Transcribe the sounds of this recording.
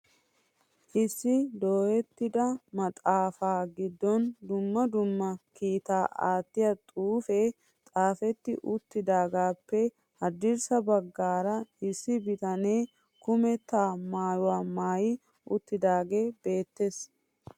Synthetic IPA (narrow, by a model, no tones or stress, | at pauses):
ʔɪsːɪd̪o̞ːhɛt̪ːɪd̪ɐmɐt̪ʼaːfaːɡɪd̪ːɔnd̪ʊmːɐd̪ʊmːɐkiːt̪aːaːt̪ːɪjɐt̪ʼuːfe | t̪ʼaːfɛt̪ːɪ̰ʔʊt̪ːɪd̪aːɡaːpːɛ | hɐd̪ːɪɾsɐbɐɡːaːɾɐʔɪsːɪbɪt̪ɐneː | kʊmɛt̪ːaːmaːjʊwaːmaːjɪ | ʊt̪ːɪd̪aːɡe̞ːbe̞ːt̪ːe̞s